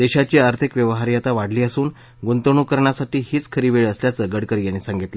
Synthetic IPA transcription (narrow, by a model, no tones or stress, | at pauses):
d̪eɕat͡ɕiːaɾt̪ʰikʋjəʋɦaɾjat̪aʋaɽliːəsuːn | ɡont̪əɳ̃ukəɾɳjasaʈiːɦiːt͡skʰəɾiːʋeɭəsljat͡səɡəɽkəɾijaɽ̃isãŋɡit̪li